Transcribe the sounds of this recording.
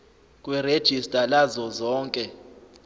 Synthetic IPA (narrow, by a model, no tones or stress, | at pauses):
kʼwired̥ʒ̥ʱistʼalazɔzɔːŋkʼɛ